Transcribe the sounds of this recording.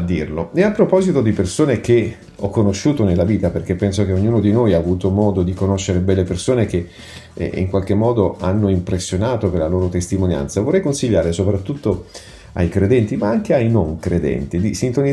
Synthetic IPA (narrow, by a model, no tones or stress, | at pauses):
d̪ːiːrloɛapːɾopɔːzit̪od̪ipersoːnek̟e | ɔkːonoʃːuːt̪onelːaviːt̪aperk̟epːɛnsokeoɲːuːnod̪inojaːvuːt̪omɔːd̪od̪ikonoʃːeɾebɛlːepersoːnek̟ḛ | ḭŋkwalk̟emːɔːd̪oanːoimpɾesːjonaːt̪operlaloːɾot̪est̪imonja̰nt̪savorːɛjkonsiʎːaːɾesopɾat̪ːut̪ːo | a̰jkɾed̪ɛnt̪imaaŋk̟eajnoŋkɾed̪ɛ̰nt̪id̪isint̪oni